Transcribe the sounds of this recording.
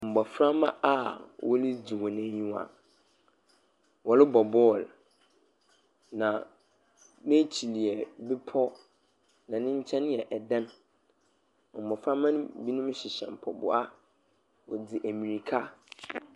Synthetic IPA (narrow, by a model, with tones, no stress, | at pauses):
m̩˨bɔ˨fɾa˦mã̰˦a˦wʔɔ˦lɪ˦d͡zi˨wɔ˨nɛ̃˦ɲũ˦a̰˨ | wɔ˨lɪ˦bɔ˨bɔ˦˨l | nã˨ | nẽ˦t͡ɕʰi˨li˨ɛ˨bɪ˦pʰɔ˦ | nã˨nɪ̃˦ɲ̩˦t͡ɕʰɛ̃˦n˦jɛ˨ʔɛ˨dã˦n˨ | m̩˨bɔ˨fɾã˦mã˦nʊ̃˦bi˦nʊ̃˦m˦ɕɪ˨ɕɛ̰̃˨m˨pʰɔ˨bʊ̰˦a˦ | wɔ˨d͡zɪ˨ʔæ˨mĩ˨ɾi˨kʰa˦